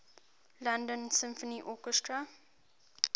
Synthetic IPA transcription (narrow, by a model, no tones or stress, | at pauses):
lãndə̃nsɪ̃mfɔniʔɔkəstɹa